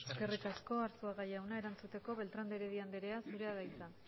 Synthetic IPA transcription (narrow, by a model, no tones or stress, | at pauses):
eske̞rikasko̞aɾsuaɣajawnae̞ɾant͡sut̪e̞ko̞βe̞lt̪ɾand̪eɾeðiand̪eɾe̞asuɾe̞aðajt͡san